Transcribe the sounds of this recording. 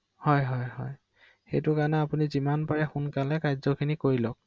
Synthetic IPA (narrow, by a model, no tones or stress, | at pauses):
hɔjɦɔjhɔ̰j | xejtʊkanɛapunizimanpaɹɛxunkalɛkajzɔkʰinikoɹilɔk̚